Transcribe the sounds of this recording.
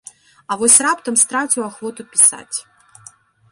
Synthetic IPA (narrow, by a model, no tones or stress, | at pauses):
ɐvɔsʲrapt̪əmst̪ɾatʲʊaxvɔt̪ʊpʲɪsa̰tʲ